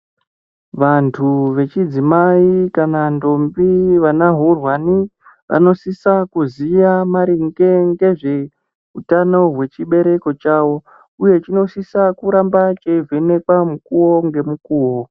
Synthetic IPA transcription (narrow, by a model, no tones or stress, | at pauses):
ʋantʰuʋe̞t͡ʃid͡zimaikanando̞mbiʋanaɦurwani | ʋa̰no̞sisakuzijamaɾiŋɡeŋɡe̞ʐe̞ | ɦutano̞ɦwe̞t͡ʃiɓe̞ɾe̞ko̞t͡ʃawo̞ | uje̞t͡ʃino̞sisakuɾambat͡ʃevʱene̞kwamukuwo̞ŋɡe̞mukuːwo̞